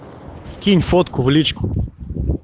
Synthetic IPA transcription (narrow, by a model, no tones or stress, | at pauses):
skʲinʲfɔt̪kʰʊvlʲit͡ʃkʊ̥